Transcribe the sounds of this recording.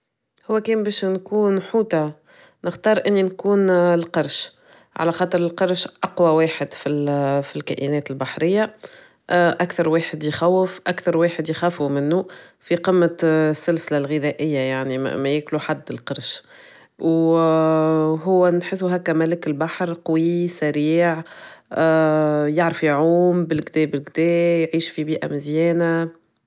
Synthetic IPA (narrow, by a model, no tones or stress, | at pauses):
hʊwːækɛːmbɛːʃnkuːnħuːt̪a | nɪxt̪ɑːɾˤʔɪnːinkuːnlqɑɾˤʃ | ʕa̰læxɑːt̪ˤɨɾɪlqɑɾˤʃʔɑqwaweːħɪd̪filfilkæ̰ːʔinɛːt̪ɪlbaħɾɪjːa | ʔakθɑɾˤweːħɪd̪jxæwːɪfʔakθɑɾˤweːħɪd̪jxæːfumɪnːufiqɪmːasːʊlsɪlalɣɪðæʔɪjːajaʕnḭmæjɪːkluħad̪ːɪlqɑɾˤʃ | w | ɦʊwːænħɪs̬ːuɦækːæmælɪkɪlbaħɾqwisæɾiːʕ | jaʕɾfiʕuːmbɪlɡd̪ɛːbɪlɡd̪ɛːjʕiːʃfibiːʔa̰mɪzjɛːna